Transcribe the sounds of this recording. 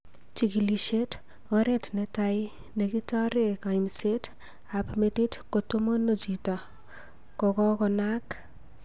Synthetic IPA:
t͡ʃikiliʃet | ɔɾetʰnetaj | neɡitaɾekajmset | apʰmet̪itʰkotomonod͡ʒitɔ | kɔɡɔ̃kɔnak

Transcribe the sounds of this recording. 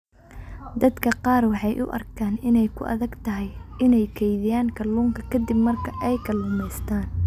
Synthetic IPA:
d̪ɐd̪kʰɐqɑːrwɑħɑjʔʊ̰ʔɐ̰rkʰaːnɪnɛjkʰʊ̰ʔɐ̰ðɐɡt̪ʰɐɦɛjɪnɛjkʰɛjðɪjaːŋkʰɐluːŋkʰɐkʰɐd̪ɪbmɐrkʰɐʔɛjkʰɐlʊmɛjst̪ʰaːn

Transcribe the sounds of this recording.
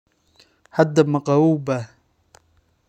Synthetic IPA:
had̪ːamaqawuːba

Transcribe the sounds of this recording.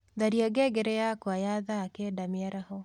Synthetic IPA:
ðaɾiaɡɛɡɛɾɛjakwajaðaːkɛdamiaɾahɔ

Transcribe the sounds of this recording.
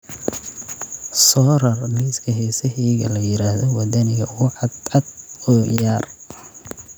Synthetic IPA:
sɔːɾɐrniskʰɐɦɛjsɐɦiːɣɐlɐjɪɾaːhðɔwɐd̪ɐnɪɣɐʊʕɑd̪ɑd̪ɔːjaːr

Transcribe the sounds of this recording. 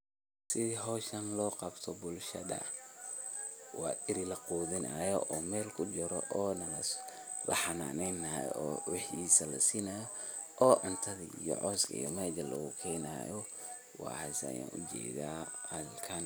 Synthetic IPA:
sɪðiɦɔːʃɐnlɔːqɑbt̪ʰɔbʊlʃɐ̰d̪ɐ̰ | wɑːʔɪɾɪlɐquːðɪnʔɐjɔʔɔːmɛːlkʰʊd͡ʒɪɾɔ̰ʔɔːnɐlɐ | lɐ̰ħɑna̰ːnɛjnɐj̰ɔːwɪħiːsɐlɐ̰siːnɐjɔ | ʔɔːʔɐnt̪ʰɐðḭijɔ̰ʕɔːskʰɐ̰ḭjɔmɛːdɐlɐ̰ɣʊkʰɛːna̰ːjɔ | wɑ̰ːhɐsja̰ːnʔʊd͡ʒɛ̰ːðaːhɐlkʰɐn

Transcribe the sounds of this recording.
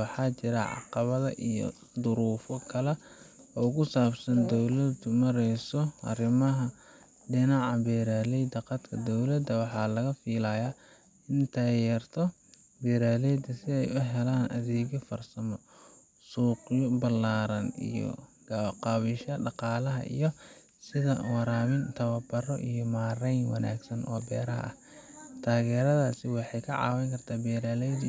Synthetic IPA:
wɑħɑːt͡ʃɪɾɐʕɑ̰qɑβɐðɐ̰ʔijɔ̰ | d̪ʊɾuːfɔkʰɐlɛ | ʔɔːkʰʊsaːbsɐnd̪ɔwlɐd̪mɐɾɛjsɔʔɐ̰rɪmɐɦɐ | ɖɪnɑʕɑbɛːɾaːlɛjd̪ɐqɑt̪kʰɐd̪ɔwlɐd̪ɐwɑħɑːlɐɣɐfiːlɐjaː | ɪnt̪ʰɐjɛːrt̪ʰɔ | bɛːɾaːlɛjd̪ɐsɪɛjʊɦɛlaːnʔɐ̰ðɛːɣɔfɐrsɐmɔ | suːqjɔbɐlaːɾɐnḭjɔ̰ | ɡ̥aqɑːβɪʃɐɖɑqɑːlɐɦɐ̰ʔḭjɔ | sɪðɐ̰wɑɾaːmɪnt̪ʰɐβɐbɐrɔ̰ʔḭjɔmaːɾɛjnwɑ̰nʔa̰ːɡsɐnʔɔ̰ːbɛ̰ːɾɐɦɐ̰ʔɐ̰h | t̪ʰaːɣɛːɾɐðaːsɪwɑħɑjkʰɐʕɑ̰ːwɛŋkʰɐrt̪ʰaːbɛːɾaːlɛjd̪

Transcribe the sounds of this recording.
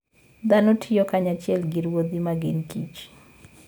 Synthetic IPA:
d̪anotʰɪjokaɲat͡ʃɪɛlɡɪɾwod̪imaɡɪnkḭt͡ʃ

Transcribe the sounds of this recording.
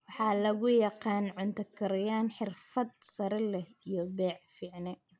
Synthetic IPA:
wɑħɑːlɐɣʊjɑqɑːnʕʊnt̪ʰɐkʰɐɾɐjaːnħɪrfɐd̪̚sɐɾɐlɛhijɔbɛːʕfiːʕnɛ

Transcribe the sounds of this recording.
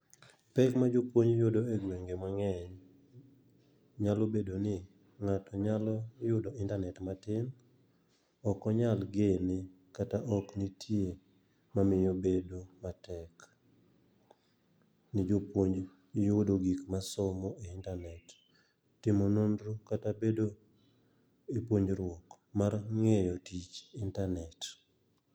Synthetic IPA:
pɛkmad͡ʒʊpwoɲjʊdoeɡweŋɡemaŋɛɲ | ɲalobedonɪ | ŋatɔɲalɔjʊdoɪntanɛtmatɪm | ɔkɔɲalɡenɪ | kataʔɔknɪtʰje | mamɪjobedomatɛk | nɪd͡ʒopwoɲd͡ʒ | jʊdoɡikmasomoʔeintanɛtː | ɪmonondɾukatabedo | ipwoɲd͡ʒɾwɔk | marŋejɔtit͡ʃintanɛt

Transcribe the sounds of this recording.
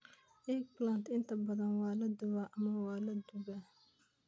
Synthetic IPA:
ʔɛɡ̚blant̪ɪnt̪ʰɐbɐðɐnwɑːlɐd̪ʊβaʔɐmɐwɑːlɐd̪ʊβa

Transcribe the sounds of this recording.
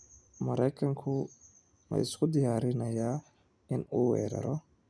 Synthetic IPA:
mɐɾɐjkʰɐŋkʰʊ | mɐ̰ʔɪskʰʊd̪ɪjaːɾɪnɐjaː | ɪnuːwɛ̰ːɾɐ̰ɾɔ

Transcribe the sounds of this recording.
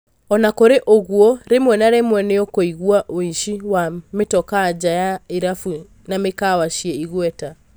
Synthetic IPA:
ɔnakoɾeʔoɣwɔɾemwɛnaɾemwɛneɔkoiɣwaʔoiʃiwametɔkad͡ʑajaeɾafu | namekawaʃiɛiɣwɛta

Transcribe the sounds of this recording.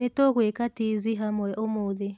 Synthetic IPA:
etɔɣwekatiziɦamwɛʔomoðe

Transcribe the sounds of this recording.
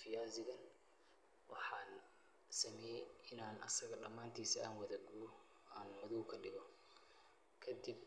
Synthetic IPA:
fɪjaːzɪɣɐn | wʔɑ̰ħɑːn | sɐmɛːjɛɪnaːnʔɐsɐɣɐɗɐmːaːnt̪ʰiːsɐa̰ːnwɐðɐɡʊ | aːnmʊðuːkʰɐɖɪɣɔ | kʰɐd̪ɪb̚

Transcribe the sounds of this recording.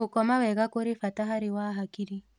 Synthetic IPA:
ukɔmawɛɣakoɾifataɦaɾiwaɦakiɾi

